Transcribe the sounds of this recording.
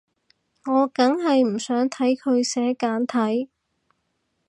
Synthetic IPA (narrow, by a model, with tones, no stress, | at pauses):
ŋɔː˨˧kɐ˨˥ŋɦɐ˨jm̩˨˩sœː˨˥ŋt̪ʰɐ˨˥jkʰɵ˨˧ɥsɛː˨˥kaː˨˥nt̪ʰɐ˨˥j